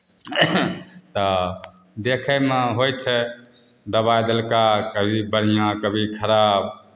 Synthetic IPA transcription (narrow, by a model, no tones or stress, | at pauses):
t̪ə | d̪ekʰɛmẽɦojt͡ʃʰɛ | d̪əbajd̪əlkakəbʱibəɽ̤ijãkəbʱikʰəɾab̚